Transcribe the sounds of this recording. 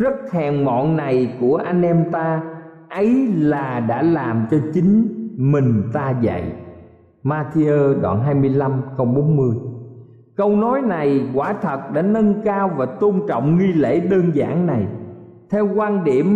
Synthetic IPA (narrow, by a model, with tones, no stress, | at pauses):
zə˦˥t̚hɛ˨˩ŋmɔ̰˧˨nna˨˩jku˧˩əʔa˧jŋ̟ʔɛ˧mt̪aː˧ | ʔə˨˦jlaː˨˩ɗa̰ː˧˥laː˨˩mt͡ɕɔ˧t͡ɕï˨˦ŋ̟mï˨˩ŋ̟t̪aː˧zə̰˧˨jʔ | maː˧t̪i˧əː˧ɗwa̰ː˧˨˩nɦaː˧jmɨ˧əjla˧mkə˧wŋ͡mɓo˨˦nmɨ˧əj | kə˧wnɔ˨˦jna˨˩jkwaː˧˩t̪ʰə˨˩t̚ɗa̰ː˧˥nə˧nkaː˧wvaː˨˩t̪o˧nt͡ɕɔ̰˧˨wŋ͡mŋi˧lḛ˧˥ɗəː˧nza̰ː˧˩ŋna˨˩j | t̪ʰɛ˧wkwaː˧nɗi˧˩əm